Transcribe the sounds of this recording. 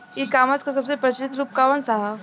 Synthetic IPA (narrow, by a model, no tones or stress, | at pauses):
ikamat͡skəsəbsepɾət͡ɕlit̪lup̚kaʋənsaɦa